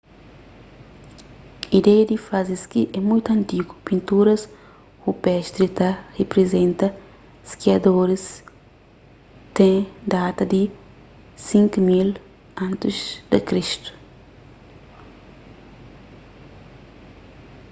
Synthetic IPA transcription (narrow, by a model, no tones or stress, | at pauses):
id̪ɛjɐd̪ifaziskiʔɛmũjt̪uɐ̃nt̪iɡu̥pĩnt̪uɾɐs | hupɛʃt̪ɾit̪ɐhepɾezẽnt̪ɐ | skiɐd̪oɾis | t̪ẽd̪at̪ɐd̪i | sĩŋkumil | ɐ̃nt̪izd̪ɐkɾiʃt̪u̥